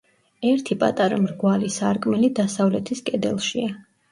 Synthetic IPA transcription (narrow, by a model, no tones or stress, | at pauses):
ɛɾt̪ʰipʼa̰t̪ʼaɾa̰mɾɡwalisaɾkʼmɛlid̪asavlɛt̪ʰiskʼɛd̪ɛ̰lˠʃia